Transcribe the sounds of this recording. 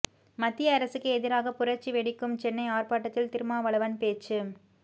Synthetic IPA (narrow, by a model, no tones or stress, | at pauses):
mɐt̪ːɪjɐːɾɐsɯkːɯɛðɪɾaːɣɐpʊrɐt͡ʃːiʋɛɽɪkːɯmt͡ʃɛnːɐɪaːrpaːʈːɐt̪ːɪlt̪ɪɾɯmaːʋɐɭɐʋɐnpeːt͡ʃːɯ